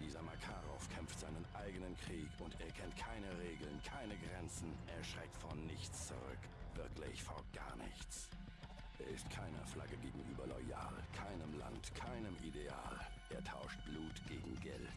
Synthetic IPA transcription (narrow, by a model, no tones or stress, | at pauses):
d̥iːzɐmakʰaːʁɔfkʰɛmftz̥aɪnənʔaɪɡənənkʁ̥iːkʊnteːɐkʰɛntkʰaɪnəʁeːɡl̩nkʰaɪnəɡʁɛnt͡sn̩ʔeːɐʃʁ̥ɛk̚tfɔnnɪçt͡st͡suʁʏ̰k | v̥ɪɐklɪ̰çfoːɐɡ̥a̰ːɐnɪ̰çt͡s | ʔeːɐɪstkʰaɪnɐ̰flaɡəɡeːɡŋ̩ʔyːbɐlɔʏa̰ːlkʰaɪnəmla̰ntkʰaɪnəmʔidea̰ːlʔeːɐtʰa̰ʊʃt̚b̥luːtɡ̥eːɡŋ̩ɡɛ̰ltt